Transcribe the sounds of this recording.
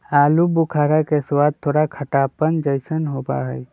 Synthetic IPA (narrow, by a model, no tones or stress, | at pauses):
aːlubukʰaːɾakeswaːd̪̚t̪ʰːoːɾakʰəʈaːpənd͡ʒəjsənɦoːba̰ɦəi